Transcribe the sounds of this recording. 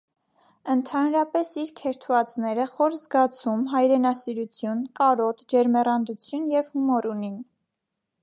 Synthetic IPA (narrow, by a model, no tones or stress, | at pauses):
ənt̪ʰɑnɾɑpɛsiɾkʰɛɾt̪ʰuvɑt͡snɛɾəχɔɾzɡɑt͡sʰumɦɑjɾɛnɑsiɾut͡sʰjunkɑɾɔt̪d͡ʒɛɾmɛrɑnd̪ut͡sʰjunjɛvhumɔɾunin